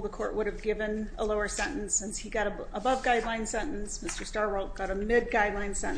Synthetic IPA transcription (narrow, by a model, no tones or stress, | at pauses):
ðəkʰɔɹʔ̚wʔʊɾɨvɡɪvɨ̃nə̰loʊə˞sɛ̃nʔn̩sɪ̃nshiɡɑɾə | əbʌvɡaɪdˡlãɪ̃nsɛ̃nn̩smɪstə˞stɑɹwolˠt̚ɡ̥ɑɾəmɪd̚ɡaɪdˡlãɪ̃nsɛ̃